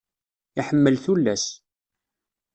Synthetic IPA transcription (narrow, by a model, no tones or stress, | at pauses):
iħəmːəlθulːæs